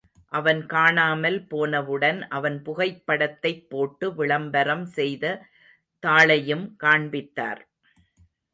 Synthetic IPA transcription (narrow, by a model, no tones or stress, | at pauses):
ʔɐʋɐnkaːɳaːmɐlpoːnɐʋɯɽɐnʔɐʋɐnpʊɣɐɪpːɐɽɐt̪ːɐɪpːoːʈːɯʋɪɭɐmbɐɾɐmsɛjðɐ | t̪aːɭɐjɯmkaːɳbɪt̪ːa̰ːɾ